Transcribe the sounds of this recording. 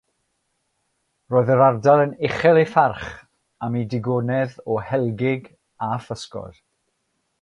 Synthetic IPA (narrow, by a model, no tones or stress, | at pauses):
roːɨðəɾardalˠənɪχɛlˠefarχ | amidɪɡɔnɛðɔhɛlˠɡɪɡ | afəskɔ̰r